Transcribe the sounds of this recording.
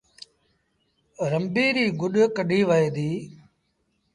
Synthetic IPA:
ɾəmbiːɾiːɡʊɗkəɗʱiːʋəeːd̪iː

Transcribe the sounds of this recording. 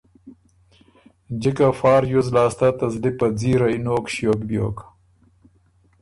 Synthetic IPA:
d͡ʑikafɑːɾjuzlɑːst̪at̪ɐzlipɐd͡ziːɾɐjnoːkɕjoːkbjo̰ːk

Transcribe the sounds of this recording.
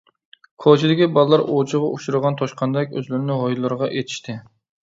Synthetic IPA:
kʰot͡ʃʰid̪ɪkʲibɑlˠlːˠɑɾʔot͡ʃʰɨʁɑʔuʃuɾɨʁɑnt̪ʰɑʃqɑnd̪ɛkʲøzlɪɾɪnɪɦojlˠːɨɾəʁɑʔet̪ʰɪ̥ʃt̪ɪ

